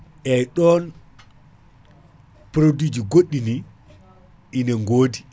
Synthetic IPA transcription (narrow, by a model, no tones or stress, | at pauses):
ʔɛjɗɔn | pɾodid͡ʒiɡoɗːini | ʔinɛŋɡoːdi